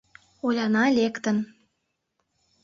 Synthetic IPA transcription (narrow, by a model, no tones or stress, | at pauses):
olʲɑnɑlʲekt̪ə̆n